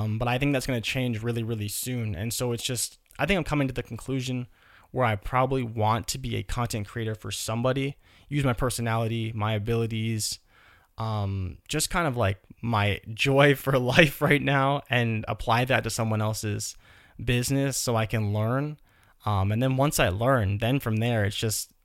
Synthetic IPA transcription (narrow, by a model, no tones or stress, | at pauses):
mbʌɾaɪθɪ̃ŋk̚ðætsɡ̥ʌnɨt͡ʃʰẽɪ̃nd͡ʒɹɪlˠiɹɪlˠisʉ̃nɨ̰̃nsoʊɨtsd̥ʒ̥ʌst | aɪθɪ̃ŋkãɪ̃mkʌmɪ̃ŋtʰɨðɨkʰn̩kʰl̥ʉʒɨ̃n | wə˞aɪpʰɹ̥ɑbəbliwɑ̃ntʰɨbiɨ̰kʰɑ̃ntʰɛ̃nkʰɹ̥ieɪɾə˞fə˞sʌ̃mbɑɾi | jʉzmaɪpʰɜ˞sɨnælˠəɾimaɪɨbɪlˠəɾiz̥ | ʔʌ̃m̥ʒ̥ʌskʰãɪ̃ndʌvlaɪk̚maɪd͡ʒɔɪfə˞laɪfɹaɪtⁿnaʊʔɨ̃nə̰pʰl̥aɪðɨtʰɨsʌ̃mwʌ̃nɛlˠsɪz̥ | bɪznɨsoʊaɪkɨ̃nlɜ̃˞n | ʌ̃mɨ̃nðɨ̃nwʌ̃nsaɪlɜ̃˞nðɨ̃nfɹʌ̃mðə˞ɨtsd̥ʒ̥ʌst̚